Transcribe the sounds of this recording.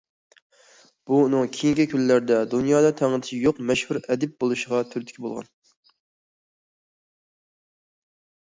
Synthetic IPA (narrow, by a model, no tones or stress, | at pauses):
b̥unɨŋkʲʰijiŋkʲikʲylːæɾd̪ɛd̪unjɑːd̪ɑt̪ʰæŋɨt̪ɪ̥ʃijoqmɛʃhuɾɛd̪ɪp̚bolˠuʃəʁɑt̪ʰyɾt̪ɪ̥kʲʰibolˠʁɑ̰n